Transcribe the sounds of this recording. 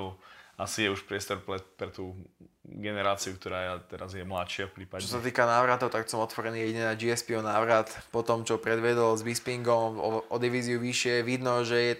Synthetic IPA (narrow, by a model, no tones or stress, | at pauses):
asijɛuʃpɾɪɛst̪ɔɾpɾɛpɾɛt̪uːɡɛnɛɾaːt͡siuk̚t̪ɔɾaːt̪ɛɾazjɛmlat̪ʃɪafpɾiːpat͡ʃɔsat̪iːkanaːʋɾat̪ɔʊt̪aksɔmɔt̪ʋɔɾɛniːjɛɟiɲɛnaːd͡ʒiɛspiɔnaːʋɾat̪pɔt̪ɔmt͡ʃɔpɾɛd̪ʋɛd̪ɔlzbispiŋɡɔɔʔɔd̪iʋiːziuʋiʃɪɛʋid̪nɔʒɛjɛ